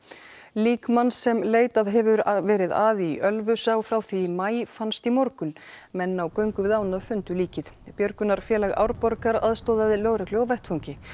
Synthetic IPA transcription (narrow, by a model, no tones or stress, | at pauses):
liːkmanːsːɛmleːjt̪aðɦɛvʏɾvɛːɾɪðaːðɪiʔœlvʏsaːwfɾawθimaːjfanst̪imɔɾkʏn | mɛnːawkœɥŋkʏvɪðaːwnafʏnt̪ʏliːcɪðpjœɾkʏnaɾ̥fjɛːlaɣa̰wɾpɔɾkaɾaðst̪ɔːðaðɪlœːɣɾakloɔvɛjht̪fawɲcɪ